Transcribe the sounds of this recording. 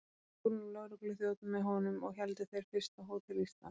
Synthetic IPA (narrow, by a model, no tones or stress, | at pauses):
kuɾnlœɣɾʏklʏθjowt̪ʏmːɛðɦɔnʏmɔɣçɛlt̪ɪθejɾ̥fɪr̥st̪aɦoːwt̪ʰɪɾlist̪a̰